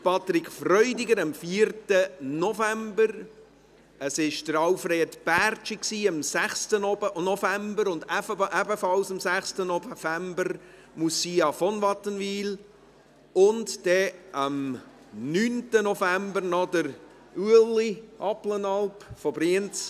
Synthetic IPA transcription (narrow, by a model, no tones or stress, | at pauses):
pʰɑt̪ɾɪkfrœʏdɪɡəɾɑmfiəɾtənɔfæmbəɾ | əsɪʃdəɾɑʊfreːdb̥ært͡ʃiksiːəmsæχstənnɔfæmbəɾʊndʔæbəfɑlsɑmsæχstənɔfæmbəɾ | musiːɑfɔnvɑt̪ənviːl | ʊndd̥ɛʔəm | nyːntənɔfæmbəɾnɔdəɾ | uəliʔɑplənɑlpfɔbɾiənt͡s